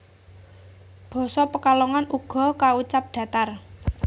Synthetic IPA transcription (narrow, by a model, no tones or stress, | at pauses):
b̥ɔ̤sɔpəkalɔŋanuɡ̥ɔ̤kaut͡ʃap̚ɖ̪̥ä̤t̪ar